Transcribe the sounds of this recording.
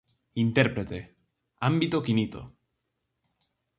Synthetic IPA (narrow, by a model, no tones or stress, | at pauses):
int̪eɾpɾe̞t̪e | ambit̪okinit̪o̰